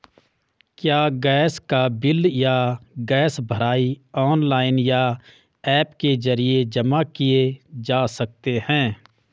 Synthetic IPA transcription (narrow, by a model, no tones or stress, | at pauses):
kjaːɡɛːskabɪljaɡɛːsbʱəɾaːiɔːnlaːɪnja | ɛːpkezɐɾied͡ʒɐmakied͡ʒaːsɐk̚t̪ehɛ̃ː